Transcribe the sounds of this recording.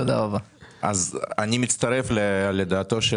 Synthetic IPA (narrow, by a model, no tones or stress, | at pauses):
tod̪a̰ʁaba | a̰zanʲimit̪t͡st̪ɐɾe̞fleled̪aːt̪o̞ʃe